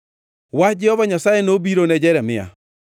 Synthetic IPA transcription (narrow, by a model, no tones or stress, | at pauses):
wad͡ʒɛhɔβaɲasaːenobiɾonɛd͡ʒɛɾɛmea̰